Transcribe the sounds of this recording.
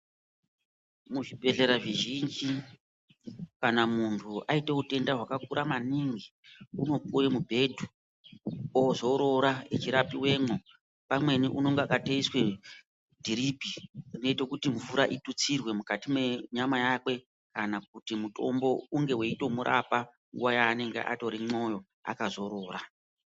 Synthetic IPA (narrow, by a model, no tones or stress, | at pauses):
muʐibʱe̞ɮe̞ɾaʐiʒind͡ʒi | kanamuntʰuaiteute̞ndaɦwakakuɾamaniŋɡi | uno̞p̚ujemubʱe̞dʱu | ozo̞ɾo̞ɾaet͡ʃiɾapiwe̞ːmo | pamwe̞niʔuno̞ŋɡeakateiswe̞ | dʱiɾibʱiine̞ite̞kutiɱvuɾaʔitut͡sirwe̞mukatime̞ɲamajakwe̞ | kanak̚utimuto̞mbo̞uŋɡe̞weito̞muɾʔa̰pa | ŋɡuwajaːne̞ŋɡḛʔa̰to̞ɾimo̞jo̞ | a̰kazo̞ɾo̞ːɾa